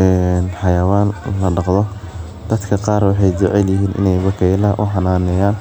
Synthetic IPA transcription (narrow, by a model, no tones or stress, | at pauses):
ɛːnħɑjɐwaːnlɐɖɑqðɔ | d̪̥ɐd̪kʰɐqɑːɾwɑħɑjd͡ʒʊʕɛljɪɦiːnʔɪ̰nɛjwɐkʰɛjlɐʔʊħɑnaːnɛjaːn